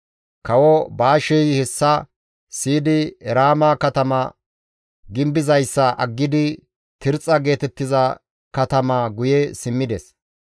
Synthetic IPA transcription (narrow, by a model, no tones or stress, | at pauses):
kɐwɔbaːʃɛjhɛsːɐ | siːd̪ɪɛɾaːmakɐt̪ɐmɐ̰ | ɡɪmbɪzɐjsːɐʔɐ̰ɡːɪd̪ɪ | t̪ɪɾt͡sʼɐɡe̞ːt̪ɛt̪ːɪzɐ | kɐt̪ɐmɐɡʊjɛsɪmːɪd̪ɛs